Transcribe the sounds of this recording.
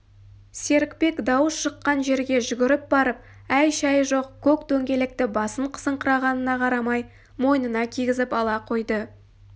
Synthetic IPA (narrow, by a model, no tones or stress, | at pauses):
se̞ɾɪkpe̞kd̪ɑwəsʃəqːɑnʒe̞ɾɡʲe̞ʒʏɡʲɪɾɪp̚bɑɾəp̚ | æjʃɑjʒo̞qkʰʲɵkd̪ɵŋɡʲe̞lɪk̚t̪ɪbɑsəɴqʰə̥səɴqʰəɾɑʁɑnənɑqʰɑɾɑmɑj | mo̞jnənɑkʲʰiɡʲɪzɪpɑlˠɑqʰo̞jd̪ə